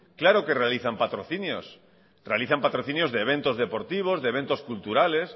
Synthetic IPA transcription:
klaɾoke̞realiθampat̪ɾoθinjo̰s | realiθampat̪ɾoθinjo̞zðeβ̞e̞nt̪o̞zðe̞po̞ɾt̪iβ̞o̞zðeβẽ̞nt̪o̞skult̪uɾale̞s

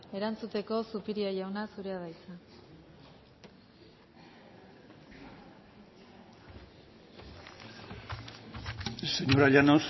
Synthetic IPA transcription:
e̞ɾant͡sut̪e̞ko̞supiɾiaʝawnasuɾe̞aðajt͡sa | seɲoɾaʎanos

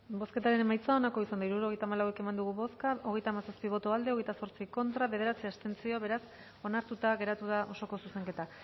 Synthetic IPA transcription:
bo̞ske̞t̪aɾe̞ne̞majt͡sao̞nako̞isand̪aiɾuɾo̞ɣe̞jt̪aːmalawe̞ke̞mand̪uɣuβo̞skao̞ɣ̞e̞jt̪aːmasaspiβ̞o̞t̪o̞ald̪e̞oɣe̞jt̪aso̞ɾt͡siko̞nt̪ɾaβe̞ð̞e̞ɾat͡siast̪e̞nt͡sio̞βe̞ɾas | o̞naɾt̪ut̪aɣe̞ɾat̪uðaʔo̞so̞ko̞suse̞ŋke̞t̪a

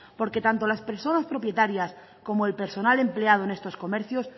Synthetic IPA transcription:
po̞ɾke̞t̪ant̪o̞laspe̞ɾso̞naspɾo̞pje̞t̪aɾjas | ko̞moelpe̞ɾso̞nale̞mple̞að̞oene̞st̪o̞sko̞meɾθjos

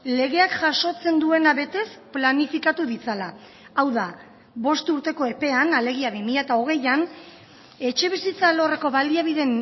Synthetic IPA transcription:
le̞ɣe̞akʝaso̞t͡se̞nd̪ue̞naβe̞t̪e̞splanifikat̪uðit͡sala | awða | βo̞st̪uɾt̪e̞ko̞e̞pe̞anale̞ɣ̞iaβimiʎat̪ao̞ɣ̞e̞jan | e̞t͡ʃe̞β̞isit͡salo̞re̞ko̞βald̪iaβ̞iðe̞n

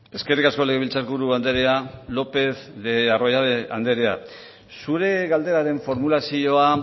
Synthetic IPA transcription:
e̞ske̞rikasko̞leɣeβilt͡saɾɣuɾuand̪eɾealo̞pe̞θðearojaea̰nd̪e̞ɾea̰ | suɾe̞ɣald̪e̞ɾaɾe̞ɱfo̞ɾmulasio̞a

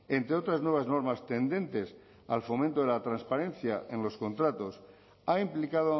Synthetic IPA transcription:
e̞nt̪ɾeo̞t̪ɾaznwe̞β̞azno̞ɾmast̪e̞nd̪ẽ̞nt̪e̞s | a̰lfo̞mẽnt̪oðelat̪ɾanspaɾe̞n̟θjaʔe̞nlo̞sko̞nt̪ɾat̪o̞s | aimplikaðo

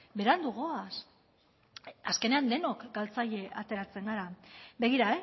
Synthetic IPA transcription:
be̞ɾand̪uɣoas | aske̞ne̞and̪e̞no̞kɡalt͡saʎe̞ʔat̪e̞ɾat͡se̞ŋɡaɾabe̞ɣ̞iɾae

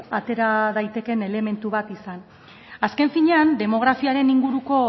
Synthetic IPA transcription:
at̪e̞ɾaðajt̪e̞ke̞ne̞le̞me̞nt̪uβat̪isan | aske̞ɱfiɲe̞and̪e̞mo̞ɣ̞ɾafiaɾe̞niŋɡuɾuko̞

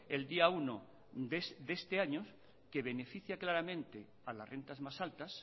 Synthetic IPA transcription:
eld̪iauno | esd̪e̞st̪eaɲo | ke̞β̞e̞ne̞fiθjaklaɾamẽ̞nt̪e | ala̰sre̞nt̪azmasalt̪as

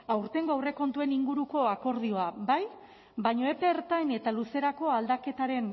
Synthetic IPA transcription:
awɾt̪e̞ŋɡoawre̞ko̞nt̪ue̞niŋɡuɾuko̞ako̞ɾðio̞abaj | bajɲo̞epe̞ːɾt̪ajne̞t̪aluse̞ɾako̞ald̪ake̞t̪aɾe̞n

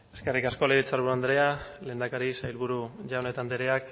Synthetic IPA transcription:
e̞ske̞rikasko̞leilt͡saɾβuɾuand̪ɾe̞ale̞ːnd̪akaɾisajlβuɾuʝaone̞t̪and̪eɾeak

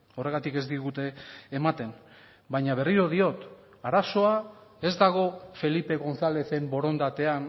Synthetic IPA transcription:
o̞re̞ɣ̞at̪ike̞zd̪iɣut̪eːmat̪e̞n | bajɲaβ̞e̞riɾo̞ð̞io̞t̪ | aɾaso̞ae̞zd̪aɣ̞o̞fe̞lipe̞ɣo̞nsale̞θe̞mbo̞ɾo̞nd̪at̪e̞an

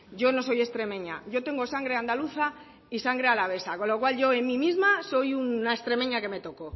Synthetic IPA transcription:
ɟ͡ʝo̞no̞so̞je̞st̪ɾe̞mẽ̞ɲa̰ʝo̞t̪e̞ŋɡo̞saŋɡɾe̞and̪aluθa | isaŋɡɾe̞alaβe̞sako̞lo̞kwalʝo̞e̞nmĩmizmaso̞junːaest̪ɾe̞mẽɲake̞me̞t̪o̞ko

